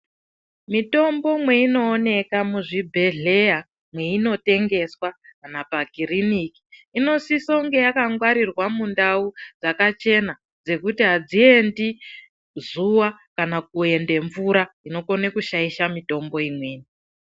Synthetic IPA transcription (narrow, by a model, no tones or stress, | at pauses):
mito̞mbo̞mwe̞ino̞ːne̞kamuʐibʱe̞ɮe̞ja | mwe̞ino̞te̞ŋɡe̞swakanapaɡiriniki̥ino̞sisoŋɡe̞jakaŋɡwaɾirwamundaud͡zakat͡ʃe̞na | d͡ze̞kutiɦad͡zie̞ndi | zuwakanak̚ue̞nde̞ɱvuɾaino̞ko̞nekuʃaiʃamito̞mbo̞imwe̞ːni